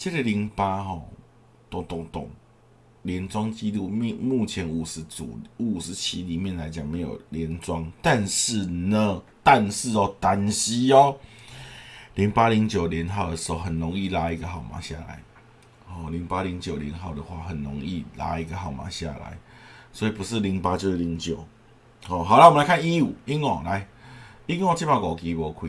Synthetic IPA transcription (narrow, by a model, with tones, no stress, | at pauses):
t͡ɕə˥ɡə˨˧li˧˦ŋpa˦ɦɔ˥˩ | t̪ʊ˨˩ŋt̪ʊ˨˩ŋt̪ʊ̰˨˩ŋ | ljɛ˧˦nt͡swa˦ŋt͡ɕi˦t̪u˥˧m˧mu˥˩t͡ɕʰjɛ˨˧˦nu˨˩su˨˩u˨˩ʂ̩˨˦t͡ɕʰi˦li˨˩mjɛ˥˨nla˨˧˦ɪt͡ɕja˨˩ŋmẽ˨˧˦jo̰˨˩ljɛ˨˦nt͡swa˦ŋt̪a˥˧nʂ̩˥˩nə˦ | t̪a˥˧nʂ̩˥˧ɔ˨˩t̪a˨˦nɕi˦ɔ˦ | li˨˦ŋpa˦li˨˧˦ŋt͡ɕjo˨˩ljɛ˧˦nɦa˥˨ʊd̪ə˨˩ʂ̩˧˦ho˧˩hə˨nɾɔ˨˦ŋi˥˨la˧˦i˦˧ɡə˨ha˨˩ʊmã̰˨˦ɕja̰˥˨la̰˨˦ɪ | hɔ˥˨˩li˨˦ŋpa˦li˨˦ŋt͡ɕjo˨˩li˧˦nɦa˥˩ʊd̪ə˨xwa̰˥˩ɦə˨˩nɾɔ̰˨˦ŋi˥˧˨la̰˧˦i˦ɡə˨ɦa˨˩ʊmã̰˨˦ɕja̰˥˨la̰˨˦ɪswɔ˧˦i˨˩pu˧˦ʂ̬̩˥˨li˧˥˦ŋpa˦t͡ɕjo˥˧ʂi˨˧li˧˦ŋt͡ɕjo˨˩ʊ | hɔ˨xa˨˩ʊla˧˦o˨la˧˦kʰa˥˨ni˦u˨˩i˦˥ŋɔ˨˩la˨˦ɪi˦ŋɔ˥˧˩t͡ɕi˥˦mã˧˩kɔ˨˩ki˨˦bɔ˧˦kʰwḭ˦˧